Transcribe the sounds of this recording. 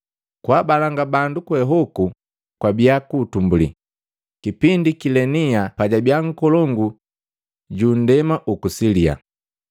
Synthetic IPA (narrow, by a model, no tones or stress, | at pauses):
kwabalaŋɡabandukwɛɦɔku | kwabiakutumbulḭ | kipindikilɛniapaɟabjaŋ̩kɔlɔŋɡu | ɟun̩dɛmaʔukusilia̰